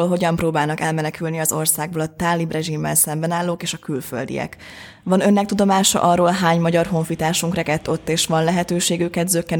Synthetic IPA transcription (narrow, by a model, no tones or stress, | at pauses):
oːlɦo̞ɟɒmproːbaːlnɒkɛlmɛnɛkylniɒzo̞rsaːɡ̚boːlɒt̪aːlːibrɛʒimːɛ̰lsɛmbɛnaːlːoːkeːʃɒkylfø̰ld̪ḭjɛ̰k | ʋɒnø̞nːɛk̚t̪ud̪o̞maːʃɒ̰ʔɒrːoːlɦaːɲmɒɟɒrɦo̞ɱfit̪aːʃuŋkrɛkɛt̪ːo̞t̪ːeːʃʋɒnlɛɦɛt̪øːʃeːɡøkːɛd̪zøkːɛn